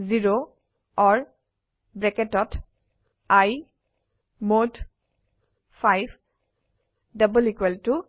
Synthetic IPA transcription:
ziɹo | ɔɹ | bɹɛketɔt | aj | mod | fʰajb | dabulikweltu

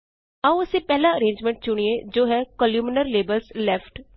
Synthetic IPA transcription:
ãʊseːpɛːlaəɾẽːɲd͡ʒmɛ̃ɳʈ̚t͡ʃʊɽ̃ied͡ʒoːɦɛːkɔljuːmɪnəɾleːbəlslɛːfʰʈ

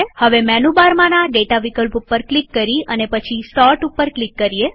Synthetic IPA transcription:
həʋemɛnubaɾmãnaɖeʈaʋikəlpupːəɾklikːəɾiənepət͡ʃʰisɔɾʈupːəɾklikːəɾie

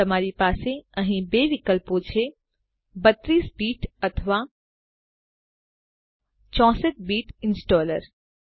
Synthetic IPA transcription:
əmaːɾipaːseəɦĩbeːʋikəlpot͡ʃʰe | bət̪ːɾiːsbiːʈət̪ʰʋa | t͡ʃɔ̃ːsət̪̚biːʈɪnsʈɔːləɾ

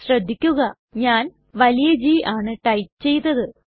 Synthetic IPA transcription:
ɕrɐd̪ʱːikʲːuɣɐ | ɲaːn | ʋɐlijɐd͡ʑiːʔaːɳɨʈɐjt͡ɕe̞jt̪ːɐðɨ

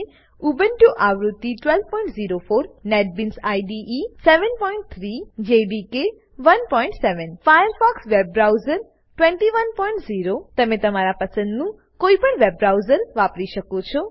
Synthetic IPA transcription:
ubənʈoʔaʋɾut̪ːiʈʋɛlʋpɔĩɳʈziɾofoɾnɛʈ̚binsajɖiʔisɛʋənpɔiɳʈ̚t̪ʰɾid͡ʒeɖike | ʋənpɔiɳʈsɛʋənfajəɾfɔksʋebɾawzəɾ | ʈʋɛ̃ɳʈiʋənpɔiɳʈziɾot̪əmet̪əmaɾapəsə̃nd̪nũ | koipəɳʋebɾawzəɾʋapɾiʃəkot͡ʃʰɔ

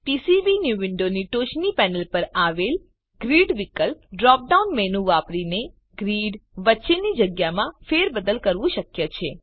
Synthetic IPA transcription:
pisiʋinjuʋɪɳɖoniʈoʃnipɛnəlpəɾaʋel | ɡɾiɖʋikəlpɖɾɔp̚ɖaunmenũʋapɾine | ɡ̥ɾiɖʋətːʃenid͡ʒəɡjamãfeɾbəd̪əlkəɾʋũʃəkjət͡ʃʰe

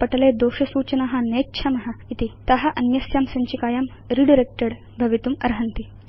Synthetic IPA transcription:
pɐʈɐleːd̪oːʃɐsuːt͡ʃɐnaɦɐ̆neːkːt͡ʃʰɐmɐɦɐ̆it̪it̪ɐɦɐʔɐnjɐsjaːmsɐɲt͡ʃikaːjaːm | ɾiɖiɾek̚ʈɐɽ | bʱɐʋit̪umɐ̰ɾɦɐnt̪i

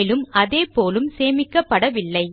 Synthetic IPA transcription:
lɯmɐðeːpoːlɯmseːmɪkːɐpːɐɽɐʋɪlːɐɪ

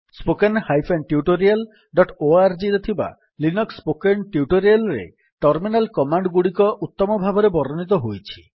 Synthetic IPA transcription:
spokenhajpʰenʈiuʈoɾial | ɖɔʈoaɾd͡ʒiɾet̪ʰiba̰ | linɔkspokenʈiuʈoɾialɾḛ | ʈɔɾminalkɔmaɳɖɡuɽikɔʔut̪ːɔmɔbʱabɔɾebɔɾɔnit̪̬ɔɦojt͡ʃʰi̥

